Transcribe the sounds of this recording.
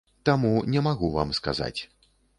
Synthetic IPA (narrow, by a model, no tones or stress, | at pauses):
t̪amunʲɛmaɣuva̰mska̰za̰t͡sʲ